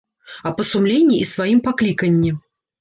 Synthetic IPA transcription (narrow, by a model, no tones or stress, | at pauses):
ɐpɐsumlʲenʲːiʔisvajimpaklʲikɐnʲːi